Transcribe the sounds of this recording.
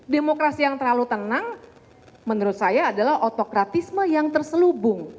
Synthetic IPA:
demokɾasijaŋt̪ərlalut̪ənaŋ | mənuɾʊt̪̚sajaːdalaɦot̪okɾat̪isməjaŋt̪ərsəlubʊŋ

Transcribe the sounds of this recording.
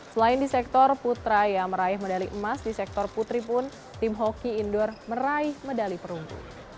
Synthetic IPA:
səlaɪndisɛk̚t̪ɔrput̪ɾajaməɾaɪhmədaliʔəmasdisɛk̚t̪ɔrput̪ɾipʊn | t̪ɪmɦokiːndɔrməɾaɪhmədalipəɾuŋpṵ

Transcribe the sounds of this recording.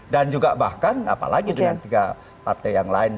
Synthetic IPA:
dand͡ʒuɡabahkana̰pa̰laɡidəŋant̪iɡa | part̪ajjaŋlaɪn

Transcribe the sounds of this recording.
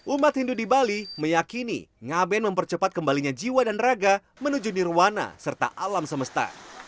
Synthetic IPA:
ʔumat̪̚hindudibaliməjakinḭŋabɛnməmpərt͡ʃəpat̪̚kəmbaliɲad͡ʒiwadanraɡa | mənud͡ʒuniruwana̰sərt̪a̰ʔalamsəməst̪a̰

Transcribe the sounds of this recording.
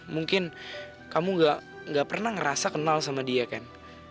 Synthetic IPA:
muŋkɪn | kamuŋɡaʔ | ŋɡaʔpərnahŋəɾasakənalsamadiakan

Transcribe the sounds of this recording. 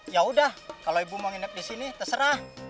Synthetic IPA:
jaudahkaloibumaŋinak̚disinit̪asəɾah

